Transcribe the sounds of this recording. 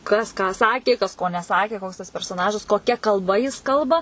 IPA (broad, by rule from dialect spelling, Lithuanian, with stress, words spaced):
ˈkɐs kɑː ˈsɑːkʲeː kɐs ˈkoː nʲɛˈsɑːkʲeː ˈkoːks tɐs pʲɛrsoːˈnɑːʒɐs koːˈkʲɛ kɐlˠˈbɐ jɪs ˈkɐlˠbɐ